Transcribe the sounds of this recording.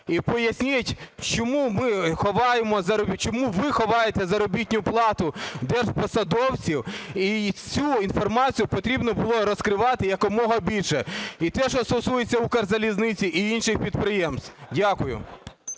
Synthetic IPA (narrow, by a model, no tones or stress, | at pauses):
ipɔjɐsʲnʲɪtʲt͡ʃɔmumɪxɔʋɑjemɔzɐɾɔbʲit͡ʃɔmuʋɪxɔʋɑjet̪ɛzɐɾɔbʲitʲnʲʊplˠɑt̪ʊd̪ɛrʒpɔsɐd̪ɔwt͡sʲiwit͡sʲuinfɔrmɑt͡sʲijʊpɔt̪ɾʲibnɔbʊlˠɔɾɔskɾɪʋɑt̪ɪjɐkɔmɔɦɔbʲilʲʃɛit̪ɛʃɔst̪ɔsujet͡sʲːɐukɐrzɐlʲiznɪt͡sʲiʔiinʃɪxpʲid̪̚pɾɪjɛmst̪dʲakʊjʊ̰